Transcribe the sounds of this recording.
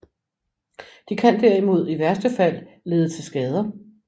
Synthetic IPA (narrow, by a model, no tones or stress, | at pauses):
d̥ikʰænd̥æɐ̰imo̝ð̞̰ˠiʋæɐsd̥əfæl̰ːe̝ːð̞ˠət͡sʰe̝lsɡ̥ɛːð̞ˠɐ